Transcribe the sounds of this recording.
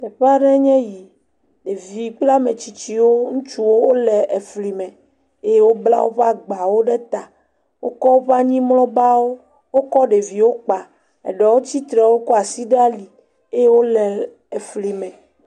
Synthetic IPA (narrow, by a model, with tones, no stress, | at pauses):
ɛ˨ɸa˦ɖɛ˦ɲɛ̃˦ji˨ | ɖe˨vi˨k͡pla˦mẽ˨t͡ɕi˨t͡ɕi˦wo˦ŋũ˦t͡ʃu˦wo˦wo˦lɛ˨e˨fli˨mɛ̃˨ | e˦je˦wo˦bla̰˦wo̰˦ɸa˦ɡ͡ba˨wo˦ɖɛ˦t̪a˨ | wo˦kɔ˦wo˦ɸa˦ɲĩ˦mlɔ̃˦ba˦wo˦ | wo˦kɔ˦ɖe˨vi˨wo˦k͡pa˨ | ɛ̰˨ɖɛ˨wo˦t͡ɕi˦t̪ɾɛ˨wo˦kɔ˦a˨si˦ɖa˦li˨ | e˦je˦wo˦lɛ˨ | ɛ˨fli˨mɛ̃˨